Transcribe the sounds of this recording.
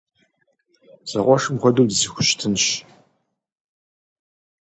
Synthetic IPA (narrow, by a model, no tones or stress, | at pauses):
z̥ɐʁʷɔʂɨmʁʷɔdowdzixʷʊʃtʰɨnɕ